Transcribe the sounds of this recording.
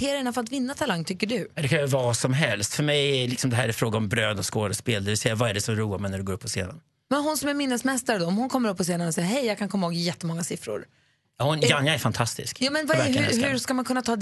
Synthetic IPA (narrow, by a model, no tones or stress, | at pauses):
eːɾaɛnafœəɾat̪vɪnːat̪ʰalaŋːt̪ʰʏkːəɖɵɛd̪ɛkʰanvasɔmɦɛlst̪fœɾmɛjɛlɪksɔmd̪ɛɦæːɾɛfɾoːɡaɔmbɾøːd̪ɔskoːd̪əspeːld̪ɛvɪlsɛjːavaæɖɛsɔmɾuːamɛnæɖɵɡoːɾɵpːɔsḛːd̪a̰n | mɛnɦʊnsɔmæɾmɪnːəsmɛst̪aɾd̪ɔɔmhʊnkʰɔmːəɾɵpːɔseːnanɔsɛjaɦɛjjaɡkʰankʰɔmːahoːɡɪjɛt̪ːəmɔŋːasɪfɾʊ̰ɾ | jɑːhʊnjanjaɛɾfant̪ʰast̪ɪ̰skjɑːmɛnvahɵhɵskamankʰɵnːat̪ʰɑːd̪